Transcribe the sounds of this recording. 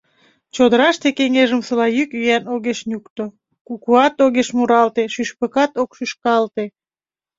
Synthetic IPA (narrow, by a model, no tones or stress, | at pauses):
t͡ɕod̪əɾɑʃt̪ekeŋeʒəmsəlɑjykyjænoɣeʃnʲukt̪o | kukuɑt̪oɣeʃmuɾɑlt̪eʃyʃpəkɑt̪okʃyʃkɑlt̪e